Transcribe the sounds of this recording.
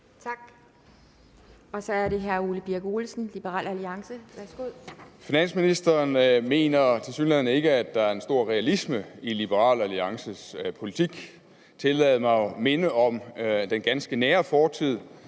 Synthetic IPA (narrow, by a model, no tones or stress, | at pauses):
t͡sʰɑ̈ɡ̥ | ɒ̽sɒ̽æɐɾe̝ɦæɐuːləb̥iɐɡ̥oːlsn̩lib̥əʁɑ̰̈ːlæliɑ̈ŋsəʋæɐsɡ̥oð̰ˠfinæn̰sminisd̥ɐːnme̝̰ːnɐt͡sʰe̝lsyːnlæð̰ˠn̩əe̝ɡ̥əæd̥ːɑ̈æɐe̝nsd̥o̝ɐ̰ʁɛælisməilib̥əʁɑ̰̈ːlæliɑ̈ŋsəspʰo̝lit͡sʰiɡ̥ | t͡sʰe̝lɛð̩ˠmɑ̈ɪme̝nəɒ̽md̥enɡ̥ænsɡ̥ənæːɐfɒːt͡sʰið̰ˠ